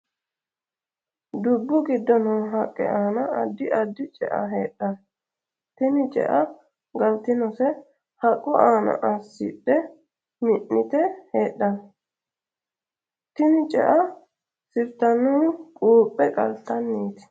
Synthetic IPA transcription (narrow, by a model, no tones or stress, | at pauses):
d̪ʊbːʊɡɪd̪ːɔnʊːɦɐkʼːɛ̰ʔaːnɐɐd̪ːɪʔɐd̪ːɪt͡ʃʼɛ̰ʔɐ̰ɦeːɗːɐn | t̪ɪnɪt͡ʃʼɛ̰ʔɐ | ɡɐlt̪ɪnɔsɛ | hɐkʼːɔʔaːnɐ̰ʔɐsːɪ̰ɗːɛ | mɪʔːɪt̪ɛheːɗːɐn | t̪ɪnɪt͡ʃʼɛ̰ʔɐ | sɪbt̪ɐnːʊkʼuːpʼːɛkʼɐlt̪ɐnːiːt̪ɪ̥